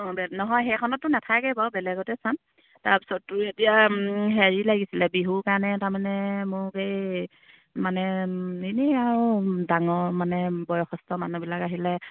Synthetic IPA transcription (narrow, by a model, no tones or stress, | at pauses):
ɔ̃bɛnɔɦɔjɦɛkʰɔnɔtːʊnatʰakɛbɔbɛlɛɡɔtɛsan | taɹpi̥sɔtːʊetijaɦeɹilaɡisilɛbiɦukanɛtaɹmanɛmʊkej | manɛiniaɹudaŋɔɹmanɛbɔjɔxɔstɔmanubilakaɦilɛ